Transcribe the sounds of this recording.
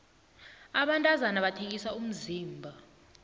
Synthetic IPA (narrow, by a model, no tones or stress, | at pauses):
aɓantʼazanaɓatʰek̬isaum̩ziːmbʱa